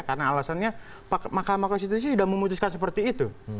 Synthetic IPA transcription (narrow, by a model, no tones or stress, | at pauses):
karənaːlasanɲa | pamakamakɔnst̪it̪us̬isudaməmut̪uskansəpərt̪iːt̪u